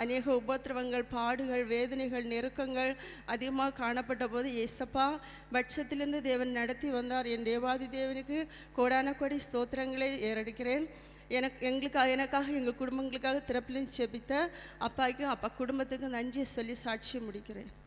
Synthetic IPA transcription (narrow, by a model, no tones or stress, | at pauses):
ʔɐneːɣɐʊboːt̪ːɪɾɐʋɐŋɡɐɭpaːɽɯɣɐɭʋeːðɐnɐɪɣɐɭnɛɾɯkːɐŋɡɐɭ | ʔɐðɪɣɐmaːɐkaːɳɐpːɐʈːɐpoːðɯeːsɐpːaː | bɐʈʂɐt̪ːɪlɪɾɯnd̪ɯd̪eːʋɐnnɐɽɐt̪ːiʋɐnd̪aːɾɛndeːʋaːðɯd̪eːʋɐnɯkːɯ | koːɽaːnɐkːoːɽist̪oːt̪ːɐɾɐŋɡɐɭɐeːɾɐɽɯkʲːɪreːn | ɛnɐɛŋɡɐɭɯkːaːɛnɐkːaːɣɐɛŋɡɐkʊɽʊmbɐŋɡɐɭɯkːaːɣɐt̪ɪɾɐpːɪlɐnt͡ʃɛbɪt̪ːɐ | ʔɐpːaːkʲːɯɐpːaːkʊɽʊmbɐt̪ːɯkːɯnɐɲd͡ʒijɐsɔlːisaːʈ̚t͡ʃɪjɐmʊɽɪkʲːɪrḛːn